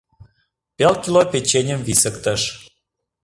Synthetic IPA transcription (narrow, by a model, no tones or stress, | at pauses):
pelkʲilopet͡ɕenʲəmvisəkt̪ə̆ʃ